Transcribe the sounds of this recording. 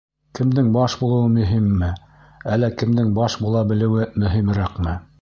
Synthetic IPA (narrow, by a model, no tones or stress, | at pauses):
kɘ̆md̪ɘŋbɑʃbulˠɤ̆wɤmɵ̆ɦimːɘ | ælːækɘ̆md̪ɘŋbɑʃbulˠɑbɘ̆lɘ̆wɘmɵ̆ɦimɾæqmɘ